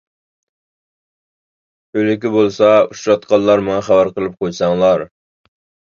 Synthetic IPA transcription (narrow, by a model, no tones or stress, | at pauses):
ølɪkʲibolˠsɑuʃɾɑt̪qʰɑlˠlːɑɾmɑŋɑχæbæɾqəlˠɨp̚qʰojsɑŋlˠɑɾ